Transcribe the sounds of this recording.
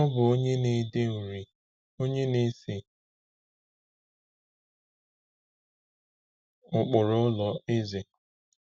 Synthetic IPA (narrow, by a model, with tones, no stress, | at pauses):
ɔ˦bʊ˨o˦ɲe˦ne˨de˦u˨ɾi˨ | o˦ɲe˦ne˦si˨ | ʊ˨k͡pʊ˨ɾʊ˦lɔ˨e˦ze˨